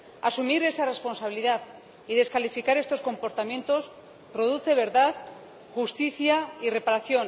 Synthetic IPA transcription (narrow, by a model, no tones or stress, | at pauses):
asumiɾe̞sare̞spo̞nsaβ̞iliðað | iðe̞skalifikaɾest̪o̞sko̞mpo̞ɾt̪amjent̪o̞s | proð̞uθe̞β̞e̞ɾðað | xust̪iθjaire̞paɾaθjo̞n